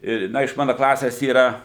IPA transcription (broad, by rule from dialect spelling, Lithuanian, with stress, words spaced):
ˈɪ ˈnɐ ɪʃ ˈmɑːnɐ klˠɐsʲɛs ˈiːrɐ